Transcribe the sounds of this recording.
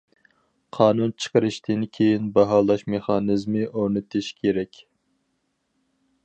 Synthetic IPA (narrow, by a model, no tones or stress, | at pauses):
qʰɑːnunt͡ʃʰə̥qəɾɨʃt̪ʰɪnkʲʰejinbɑɦɑlˠɑʃmeχɑːnɨzmɨʔoɾnɨt̪ʰɪʃkʲʰeɾɛkʲ